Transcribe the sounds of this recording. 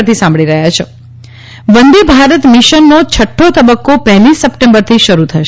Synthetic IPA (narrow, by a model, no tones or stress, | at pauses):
ɾt̪ʰisãmbɭiɾəɦjat͡ʃʰe | ʋənd̪ibʱaɾət̪miʃənːot͡ʃʰəʈʰːot̪əbəkːopəɦlisəpʈẽmbəɾt̪ʰiʃəɾut̪ʰəʃ